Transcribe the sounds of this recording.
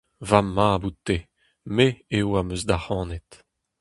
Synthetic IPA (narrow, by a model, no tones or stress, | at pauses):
vamːabut̪ːe | meewamøzd̪ahɑ̃ːnɛt̪